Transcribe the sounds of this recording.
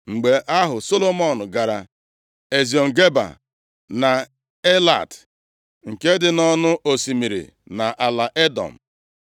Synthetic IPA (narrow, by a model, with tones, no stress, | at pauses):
ŋ͡m̩˨ɡ͡be˨ʔa˦ɦʊ˨so˦lo˦mɔ˨nʊ˨ɡa˨ɾa˨ | e˨zi˨ɔ˨ŋ̩˨ɡe˦ba̰˨ | na˨ | e˦la̰˨t | ŋ̩˨ke˦dɪ˨nɔ˦nʊ˦ʔo˨si˨mi˨ɾḭ˨ | na˨ʔa˨la˨ʔe˦dɔ̰˨m̩˨